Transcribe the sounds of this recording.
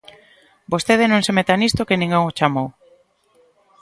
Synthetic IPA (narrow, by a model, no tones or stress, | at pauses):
bost̪eð̞enõŋsemet̪anist̪okenĩŋɡoŋot͡ʃamow